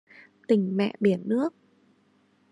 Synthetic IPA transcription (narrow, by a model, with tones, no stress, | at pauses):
t̪ï˨˩ŋ̟mɛ̰˧˨ʔɓi˧˩ənːɨ˦˥ək̚